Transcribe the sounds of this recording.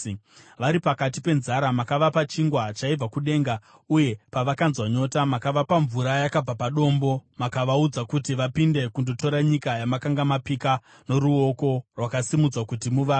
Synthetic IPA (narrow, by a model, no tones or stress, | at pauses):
ʋaɾipakatipe̞nzaɾamakaʋapat͡ʃiŋɡwat͡ʃaib͡vakuɗe̞ŋɡa | uje̞paʋakanzwaɲo̞tamakaʋapaɱvuɾajakab͡vapaɗo̞mbo̞makaʋaud͡zakutiʋapinde̞kundo̞to̞ɾaɲikajamakaŋɡamapika | no̞ɾuo̞ko̞rwakasimud͡zwakutimuʋaː